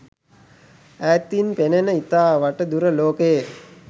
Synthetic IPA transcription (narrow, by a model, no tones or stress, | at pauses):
æːt̪inpenenəit̪aːʋaʈəd̪uɾəloːke